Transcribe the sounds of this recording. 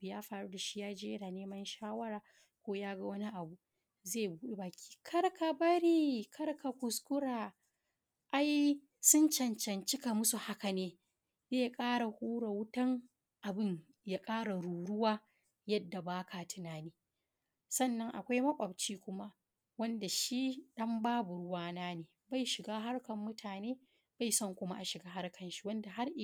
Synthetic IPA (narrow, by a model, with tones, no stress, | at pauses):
bjaː˦ɸaː˨ɽuː˦da˨ʃi̥˦jaː˦d͡ʒeː˦ʔɪ˦naː˨neː˦mɐ˦nʃaː˦wɐ˦ɾaː˨ | kʷoː˦jaː˦ɡa˦wɐ˦ni˦ʔa˨bu˨ | zeː˦˨buː˦ɗe˦baː˨kʲʰi̥ː˦kʰɐ˦ɾkʰa˨bɐ˦ɾiː˦kʰɐ˦rka˨kʷʊ˨skʊ˦ɾaː˨ | ʔa˦j | sʊ˦nt͡ʃɐ˨nt͡ʃɐ˨nt͡ʃɪ˦ka˨mʊ˦su˨ha˦ka˨neː˦ | zeː˦jkʼaː˦ɽa˨huː˦ɽa˨wʊ˦tɐ˦ŋ | ʔa˨bɪ˦˨ɲ | jaː˦kʼaː˦ɽa˨ɽuː˨ɽʊ˦waː˦ | jɐ˦dːa˨baː˦kʰaː˨tʰɪ˦naː˨niː˦ | sɐ˦˨nːɐ˦ŋʔa̰˨kʷa˦jmɐ˦kʷʼɐ˨bt͡ʃiː˦kʷʊ˦ma˦ | wɐ˦nda˨ʃi˦ɗɐ˦mbaː˦bʊ˨ɽʊ˦waː˦naː˦neː˨ba˦˨jʃɪ˨ɡaː˦ɦa˦rkɐ˨mːʊ˦tʰaː˨neː˦ | b̥a˦˨jsɐ˦˨ŋkʷʊ˦ma̰˦ʔa˨ʃɪ˨ɡaː˦ɦa˦rkɐ˨nʃi̥˦wɐ˦nda˨ɦa˦ɾʔ